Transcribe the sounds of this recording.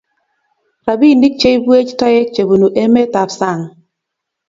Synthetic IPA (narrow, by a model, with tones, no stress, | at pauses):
ɾa˨bi˦˨ni˦k̚t͡ʃe˦i˦bwe˦t͡ʃta˦jɛ˦t͡ʃe˨bu˨nu˨ʔe˦me˦t̪a˨ɾsa˦˨ŋ